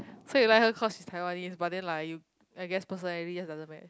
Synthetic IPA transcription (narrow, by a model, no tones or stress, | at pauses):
sojulaɪk̚həkʰɔsʃistʰajwanisbat̚dɛ̃nlaɪju | aɪɡɛspəs̬ə̃nɛɹid͡ʒasdazə̃nmɛt